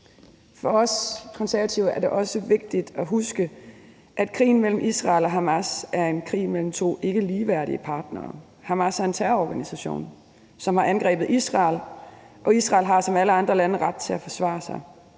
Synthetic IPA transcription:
fɒɒ̽skʰɒ̽nsæɐæt͡sʰiʊæɐɾ̥e̝ʔɒ̽səʋe̝ɡ̥̚d̥id̥æɦusɡ̥ə | ʔæd̥kʰʁḭːn̩mel̰m̩ʔisʁɑ̈ːlɒ̽ɦɑmæsæɐe̝nkʰʁḭːmel̰m̩t͡sʰo̝̰ːe̝ɡ̥əliːʋæɐɾ̥iəpʰɑ̈ːd̥nɐː | hɑ̈mæsæɐe̝nt͡sʰæɐɒɡ̥ænisæɕo̰ːn | sɒ̽mhɑ̈ʔænɡ̥ʁɛ̰ːb̥ð̩ˠisʁɑ̈ːl | ʔɒ̽isʁɑ̈ːlɦɑ̈sɒ̽mæləɑ̈nd̥ʁɐlænəʁad̥̚t͡sʰe̝æfɒ̽sʋɑ̰̈ːsɑ̈ɪ

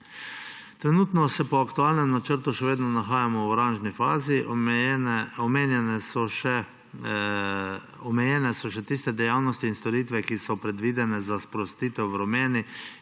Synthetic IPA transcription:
t̪ɾɛnuːt̪nɔsɛpɔakt̪ualnɛmnat͡ʃəɾt̪uʃɛʋeːd̪nɔnaxaːjamɔwɔɾanʒnifaːzi | ɔmeːnjɛnɛsɔʃɛ | ɔmɛjɛnɛsɔʃɛt̪ist̪ɛd̪ɛjawnɔst̪iːnst̪ɔɾit̪ʋɛkisɔpɾɛd̪ʋiːd̪ɛnɛzaspɾɔst̪iːt̪ɛwʋɾɔmeːni

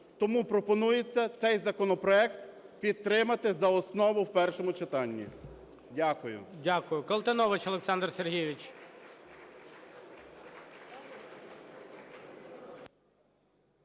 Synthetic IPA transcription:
t̪ɔmupɾɔpɔnujet͡sʲːɐt̪sɛjzɐkɔnɔpɾɔɛk̚t̪ | pʲid̪̚t̪ːɾɪmɐt̪ɪzɐɔsnɔʋʊwpɛrʃɔmʊt͡ʃɪt̪ɑnʲːḭ | dʲakʊjʊ̰dʲakʊjʊkɐlˠt̪enɔʋɐt͡ʃɐlˠeksɑnd̪rserɦijʋʲit͡ʃʲ

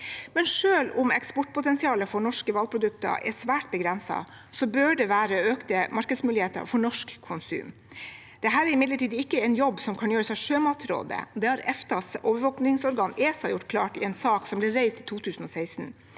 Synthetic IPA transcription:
mɛnʂøːlʊmɛ̰kspɔʈpʰʊt̪ɛnsɪɑːləfɔɳɔʂkəʋɑl̚pʰɾʊd̪ʉk̚t̪ə̰ʔɛ̰ʂʋæːʈ̚bəɡɾɛnsɑ̰ | sɔbøːɖɛʋæːɾəøːkt̪əmɑɾkəd̪smʉːlɪheːt̪ə̰ɾfɔɳɔʂkʰːʊnsʉ̰ːm | d̪̥ɛɦæːɾæɾɪmɪd̪ləʈiːd̪əɪkːəɛɪnjɔbːsɔmkʰɑnjøːɾəsɛʂøːmɑt̪ɾo̰ːd̪ə̰d̪ɛhɑɾɛft̪ɑsoːʋəɾʋɔːknɪŋsɔɾɡɑːneːsɑjʊʈːkʰlɑ̰ːʈɪɛnsɑːksɔmblɪɾæɪst̪ɪt̪ʰuːt̪ʰʉːsən̩ɔːsæɪsn

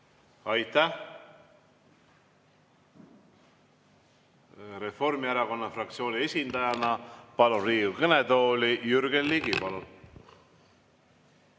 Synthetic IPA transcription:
ɑjt̪ːæh | ɾe̞fo̞rmiæɾɑko̞nːɑfrɑkt̪sio̞ːnʲie̞sʲind̪ɑjɑnɑpɑluriːukɤnet̪o̞ːlʲijyɾɡellːiɡipɑlun

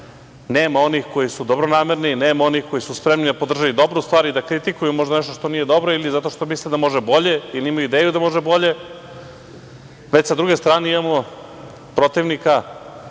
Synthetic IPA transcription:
neːmao̞nixko̞jisud̪o̞bɾonaːmeɾnineːmao̞nixko̞jisuspɾe̞mnid̪apod̪r̩ʒajid̪o̞bɾust̪ʋaːɾid̪akɾit̪ikujumo̞ʒd̪aneʃt̪oʃt̪onijed̪o̞bɾoilizat̪o̞ʃt̪o̞mislid̪amo̞ʒebo̞ʎe̞iliimajuid̪eːjud̪amo̞ʒebo̞ʎe̞ | ʋet͡ɕsad̪ɾuɡest̪ɾaːneimamo̞ | pɾo̞t̪iʋnika

